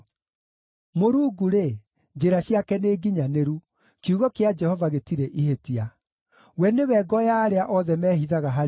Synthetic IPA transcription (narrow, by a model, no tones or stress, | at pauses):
moɾuːɡuɾe | d͡ʑeɾaɕiakɛneːɡiɲaneɾu | kiuɣɔkead͡ʒɛhɔvaɣetiɾɛʔihetia | wɛnewɛɡɔjaːɾeaʔɔðɛmɛːhiðaɣaɦa